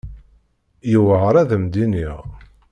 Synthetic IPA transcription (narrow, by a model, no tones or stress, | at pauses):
juvəʁɾˤæðəmd̪iniʁ